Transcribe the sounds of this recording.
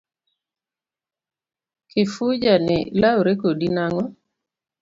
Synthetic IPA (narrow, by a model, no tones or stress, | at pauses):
kʰɪfud͡ʒanɪ̰lawɾekodinaŋɔ